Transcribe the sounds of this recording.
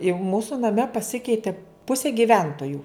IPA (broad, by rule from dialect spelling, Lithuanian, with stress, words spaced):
ɪ ˈmuːsʊ nɐˈmʲɛ pɐˈsʲɪkʲɛɪtʲɪ ˈpʊsʲeː ɡʲɪˈʋʲɛntoːjʊ